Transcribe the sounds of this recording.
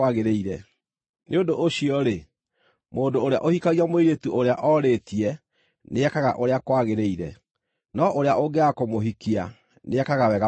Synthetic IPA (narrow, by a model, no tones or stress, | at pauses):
aɣeɾeiɾɛ | neodoʔoɕiɔɾe | moːdooɾea̰ʔohikaɣiamoiɾetuʔoɾeaʔɔɾeːtiɛ | neɛkaɣa̰ʔoɾeakwaɣeɾeiɾɛ | nɔʔoɾeaʔoɡeakomoɦikia | neɛkaɣawɛɣa